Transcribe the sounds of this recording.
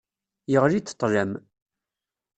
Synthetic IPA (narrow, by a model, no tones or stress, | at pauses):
jəʁlit͡sːə̥t̪ˤːʒæm